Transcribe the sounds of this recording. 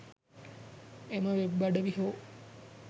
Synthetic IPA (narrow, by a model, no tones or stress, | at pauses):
emãʋebaɖəʋiɦoː